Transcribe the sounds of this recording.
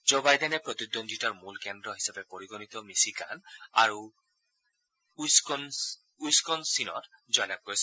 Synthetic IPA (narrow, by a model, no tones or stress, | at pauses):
d͡ʒobajdɛnɛpɹɔt̪ud̪ond̪ʱitaɹmulkɛndɹɔɦisabepoɹiɡɔnit̪ɔmisika̰naɹu | skɔn | ujskɔnsinɔ̰t | zɔjlab̚koɹis